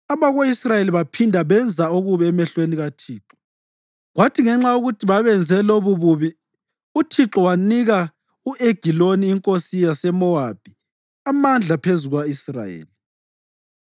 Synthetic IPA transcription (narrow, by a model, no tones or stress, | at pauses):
aβaɣoisrajeliβapʰindʱaβɛnd͡zʱaoɣuβɛːmɛɬweniɣatʰiːǁɔ̥ | ɣwatʰiŋɛŋ͡ǁauɣutʰiβaβɛnd͡zʱɛloβuβuβi | utʰiǁɔwaniɣa | uʔeɡ̥ʱiloniːŋkʼosijasɛmɔab̥ʱi | amand͡ɮʱapʰezuɣwaisra̰jḛːli